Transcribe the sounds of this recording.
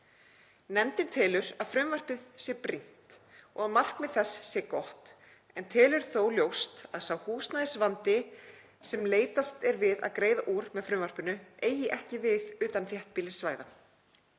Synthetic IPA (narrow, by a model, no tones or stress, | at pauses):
nɛmt̪ɪnt̪ʰɪːlʏɾaðfɾʏmvar̥pɪðsjɛpɾin̥t̪ɔɣaðmar̥kmɛðθɛsːjɛkɔht̪ | ɛnt̪ʰɪːlʏɾ̥θowljowst̪aðsawhuːst̪naðɪsvant̪ɪ | sɛmleːjt̪ast̪ɛɾvɪða̰ðkɾeːjðaʔuːɾmɛðfɾʏmvar̥pʏnʏʔeːjɪʔɛhcɪvɪðʏːt̪anθjɛht̪̚piːlɪsvaːjða